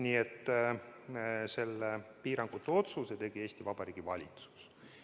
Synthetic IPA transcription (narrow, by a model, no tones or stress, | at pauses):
niːet̪ː | se̞lepiːɾɑŋɡ̥ut̪ːˑeo̞t̪suset̪e̞ɡ̥ie̞ːsʲt̪ivɑb̥ɑɾiːɡ̥ivɑ̰lʲit̪su̥s